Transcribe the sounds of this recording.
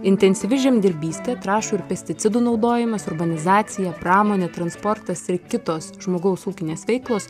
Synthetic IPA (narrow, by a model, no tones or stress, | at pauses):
ɪnʲt̪ʲɛnʲsʲɪʋʲɪʒʲɛmd̪ʲɪɾʲbʲiːsʲt̪ʲɛːt̪ɾɑːʃuːɪɾpʲɛsʲt̪ʲɪt̪sʲɪd̪uːnɒʊd̪oːjɪmɐsɔɾbɐnʲɪzɑːt̪sʲɪjɛpɾɑːmoːnʲeːt̪ɾɐnspɔɾt̪ɐsɪkʲɪt̪oːsʒmoːɡɒʊsuːkʲɪnʲeːsʋʲɛɪklˠoːs